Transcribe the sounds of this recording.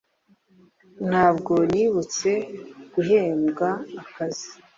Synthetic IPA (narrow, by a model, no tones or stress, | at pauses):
n̥haːbɡo̞niːβut͡se̞ɡ̥uɦe̞ːmɡaːkazi